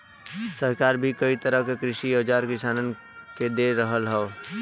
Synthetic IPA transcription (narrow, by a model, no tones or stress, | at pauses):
səɾkaːɾbʱikɐit̪əɾəɦkekɾɪʃioːd͡ʒaːɾkɪsaːnən | ked̪eːɾəɦəlɦɛo